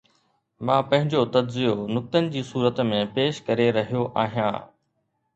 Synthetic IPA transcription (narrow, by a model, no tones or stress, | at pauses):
mãːpɐ̃ɦɪ̃ɲd͡ʑot̪ɐd͡ʑzijonʊk̚t̪ənɪ̆d͡ʑiːsuːɾət̪mẽpeːʃkɐɾeɾɐɦijoʔa̰ːɦijã̰ː